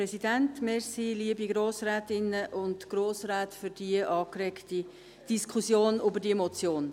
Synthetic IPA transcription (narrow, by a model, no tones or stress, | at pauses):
ɾɛsidæntmɪɾsiliəbiɡɾoːsɾæːtɪnːəʔʊndɡ̥ɾoːsɾæːtfʏɾd̥iəʔɑːkɾɛkti | d̥iskʰusjoːnybəɾdiemɔt͡sjoːn